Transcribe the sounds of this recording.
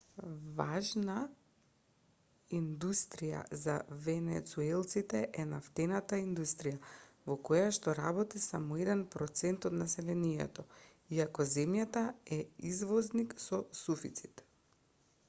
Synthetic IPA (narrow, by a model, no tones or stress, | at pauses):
vaʒna | ind̪ust̪ɾija̰za̰vɛnɛ̰t̪suɛlˠt̪sit̪ɛʔɛnaft̪ɛnat̪aind̪ust̪ɾijavɔkojaʃt̪ɔɾabɔt̪isamɔɛd̪ɛnpɾɔt̪sɛnt̪ɔt̪nasɛlɛnijɛ̰t̪ɔ | iakɔzɛmjat̪aɛizvɔzniksɔsufit̪si̥t̪